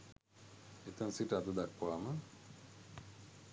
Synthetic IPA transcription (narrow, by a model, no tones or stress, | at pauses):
et̪ɐnsiʈəad̪əd̪akpaːmə